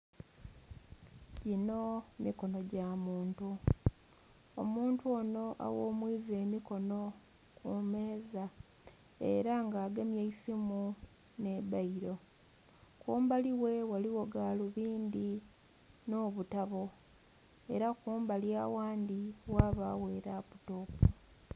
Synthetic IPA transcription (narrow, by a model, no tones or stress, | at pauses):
ɟino̞miko̞no̞ɟamuːntu | o̰muːntuo̞no̞ʔa̰wo̞ːmwiːze̞ːmiko̞no̞ | kume̞ːza | e̞̰ɾaŋɡaːɡemjaisimu | ne̞βaiɾo̞ | kuːmbaliwe̞waliwoɡaːluβiːnd̪i | no̞ːβutaβo̞ | e̞̰ɾakuːmbaljaːwaːnd̪iwaːβaːwe̞ːɾaputoːpu